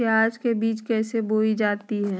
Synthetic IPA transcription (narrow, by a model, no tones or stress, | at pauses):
eaːd͡ʒkebiːt͡ʃkɛːseboːid͡ʒaːt̪iɦɛ̃ː